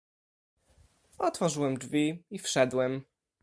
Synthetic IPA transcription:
ɔt̪fɔʐɘwɛmd͡ʐvʲiifʂɛd̪wɛm

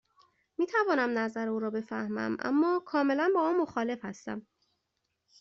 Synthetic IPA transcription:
miːt̪ʰævɒːnæmnæzæɾeuːɾɒːbe̞fæhmæ̰mʔæ̰mːɒːkʰɒːme̞lænbɒːmɒːmːo̞xɒːle̞fhæst̪æ̰m

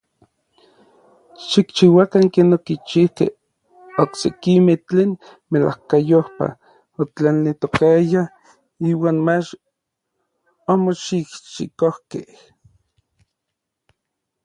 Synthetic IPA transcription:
ʃikt͡ʃiwakaŋkeːnokit͡ʃihkḛh | oksekimeht͡ɬeːn | mela̰hkajohpa̰ | ot͡ɬanit̪okaja | iːwaːnmat͡ʃ | omoʃikʃḭkohkeh

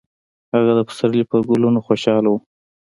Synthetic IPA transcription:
haɣad̪əpə̥saɾlipəɡʊlunoxoʃɑlawu

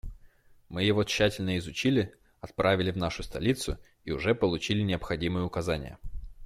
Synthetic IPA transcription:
mɨjɪvot͡ɕːætʲɪlʲnəɪzʊt͡ɕilʲɪ | ɐt̪̚pɾʔavʲɪlʲɪvn̪aʂʊst̪ɐ̰lʲit̪sʊ̰ | iʊʐɛpəlˠʊt͡ɕilʲɪnʲɪəpxɐdʲimɨjəʊkɐzanʲɪ̰jə̰

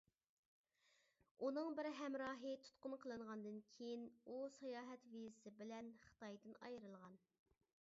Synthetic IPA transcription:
unɨŋbɪɾɦɛmɾɑːɦɨt̪ʰu̥t̪qʊnqʰəlˠɨɴʁɑnd̪ɨnkʲʰejinusɑjɑːɦɛt̪vizɪsɪbɪlɛnχə̥t̪ɑjd̪ɨnɑ̰jɾɨlˠʁɑn

